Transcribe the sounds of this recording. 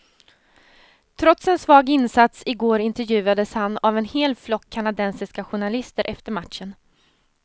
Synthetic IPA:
t̪ʰɾɔt̪sɛnsvɑːɡɪnsat̪sɪɡoːɾɪnt̪ɛɾjʉ̟ːad̪əshanavɛnheːlflɔkʰːanad̪ɛnsɪskaɧʊɳalɪst̪əɾʔɛft̪əɾmat̪ʂən

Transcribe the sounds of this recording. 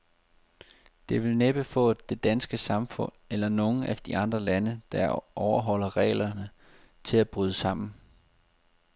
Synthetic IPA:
d̥e̝ʋe̝lneb̥əfɔ̰̽ːd̥e̝d̥ænsɡ̥əsɑ̈mfɔ̽n̰elɐno̝n̩æd̥iʔɑ̈nd̥ʁɐlænəd̥ɑʔɒʊɐɦɒ̽l̰ɐʁɛ̰ːɪlɐnə | t͡sʰe̝læb̥ʁyðˠəsɑ̈m̰n̩

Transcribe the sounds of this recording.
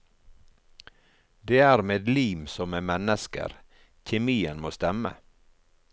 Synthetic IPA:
d̪eːæːɾmeːd̪liːmsɔmmeːmɛnəskə̰ɾ | çɛmiːənmoːst̪ɛmə̰

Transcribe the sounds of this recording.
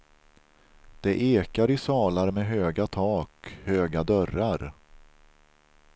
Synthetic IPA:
d̪̥ɛʔeːkaɾɪsɑːlaɾmɛːɦøːɡat̪ʰɑːkhøːɡad̪œɾaɾ

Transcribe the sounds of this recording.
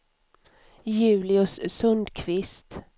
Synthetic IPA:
jʉ̟ːlɪʊssɵnd̪kʰvɪst̪

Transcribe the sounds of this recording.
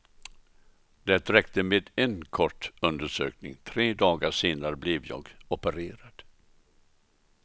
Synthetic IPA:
d̪ɛt̪ɾɛkt̪əmeːd̪ɛnkʰɔʈːɵnd̪əʂø̰ːknɪ̰ŋt̪ʰɾeːd̪ɑːɡaʂeːnaɾəblɛvjɑ̰ːɡɔpəɾeːɾad̪̥

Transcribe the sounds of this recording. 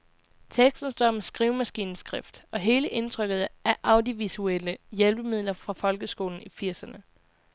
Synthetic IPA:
t͡sʰeɡ̥sd̥n̩sd̥ɒməsɡ̥ʁiʊmæsɡ̥ḭːnsɡ̥ʁefd̥ɒ̽ɦe̝ːləʔe̝nt͡sʰʁœɡ̥ð̞̩ˠæɐʔɑ̈ʊd̥ioʋisueləjelb̥əmið̞̰ˠlɐfʁɑ̈fɒ̽lɡ̥əsɡ̥o̝ːln̩ifiɐ̰sɐnə

